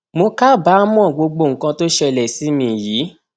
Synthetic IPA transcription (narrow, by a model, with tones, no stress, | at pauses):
mo˧ka˦˨ba˨˦mɔ̃˦˨ɡ͡bo˧ɡ͡bo˧˨ŋ̩˨kã˧to˦ʃɛ˧lɛ˨si˨˦mĩ˧˨jiː˨˦